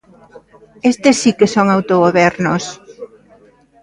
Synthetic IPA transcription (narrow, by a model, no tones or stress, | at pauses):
est̪esːikesoŋawt̪oɣoβɛɾnos